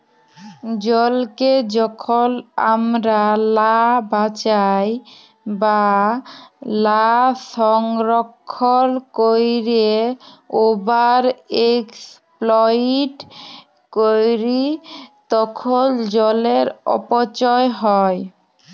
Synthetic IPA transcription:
d͡ʑɔlked͡ʑɔkʰola̰mɾalabat͡ɕaj | ba | laʃɔŋɾokʰːolkojɾe | obaɾeksplɔiʈ | kojɾit̪ɔkʰold͡ʑɔleɾɔ̰pot͡ɕɔeɦɔj

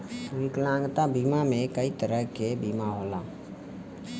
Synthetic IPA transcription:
ʋɪklãːŋɡt̪abiːmamẽkəit̪əɾəɦkebiːmaɦoːlaː

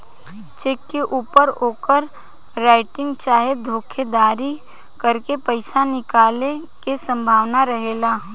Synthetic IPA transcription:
t͡ʃeːkːeʔuːpəɾoːkəɾ | ɾaːɪʈɪ̃ŋɡt͡ʃaːɦed̪ʱoːkʰed̪aːɾi | kəɾkepəɪsanɪkaːle | kesə̃mbʱaːʋnaɾəɦeːɡaː

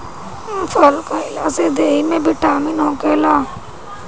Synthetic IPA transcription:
fʰəlkaɪlaːzed̪eːimẽːbɪʈʰːaːminõːkeːlaː

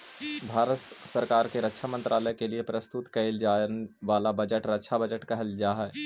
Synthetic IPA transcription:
bʱaːɾət̪sɐɾkaːɾkeɾɐkːʃʰamɐ̃nt̪ɾʔaːləjkeliepɾɐst̪ʊt̪kɐɪld͡ʒaːnʋaːlabɐd͡ʒəʈɾɐkːʃʰabɐd͡ʒəʈkɐɦəld͡ʒaːɦɛ

